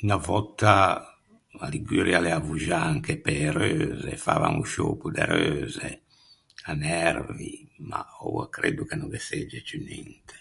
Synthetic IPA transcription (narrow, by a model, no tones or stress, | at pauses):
ynavɔt̪ːa | aliɡyːɾjalɛavuʒaaŋkepɛɾøːzɛfa̰va̰muʃoːpud̪ɛɾøːzɛ | anɛrvima̰ɔakɾeːd̪ukenɔŋd̪ɛsɛd͡ʒɛt͡ʃynint̪ɛ̥